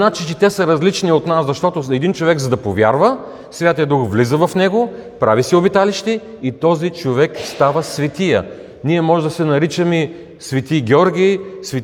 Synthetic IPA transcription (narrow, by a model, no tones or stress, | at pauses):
nat͡ʃit͡ʃit̪ɛsɐɾɐzlit͡ʃniot̪naszɐʃt̪ɔt̪ʊɛd̪int͡ʃovɛɡzɐd̪ɐpovʲja̰ɾvə | svʲjat̪ijəd̪uxvlizəvɐfnɛɡopɾavisiobit̪aliʃt̪ɛ | it̪ɔzit͡ʃovɛkst̪avəsvɛt̪ijə̰ | niɛmɔʒɛd̪ɐsɛnɐɾit͡ʃəmi | svɛt̪iɡʲɛɔɾɡʲijsvɛ